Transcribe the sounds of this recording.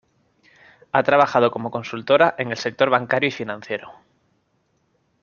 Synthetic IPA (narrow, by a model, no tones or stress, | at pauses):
at̪ɾaβ̞axað̞o̞ko̞mo̞ko̞nsult̪o̞ɾaʔe̞ŋe̞lse̞k̚t̪o̞ɾβaŋkaɾjuifinãnθje̞ɾo